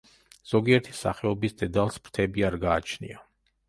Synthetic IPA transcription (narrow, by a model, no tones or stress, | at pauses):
z̥ɔɡiɛɾt̪ʰi̥sa̰χɛɔbisd̪ɛd̪alˠspɾt̪ʰɛbiaɾɡaːt͡ʃʰnḭa